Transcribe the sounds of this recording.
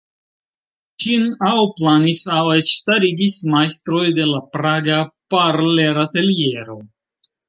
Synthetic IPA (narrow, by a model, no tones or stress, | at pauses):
t͡ʃinawplanisawet͡ʃstaɾiɡismajst̪ɾo̞jde̞lapɾaɡapaɾleɾate̞lie̞ɾo̞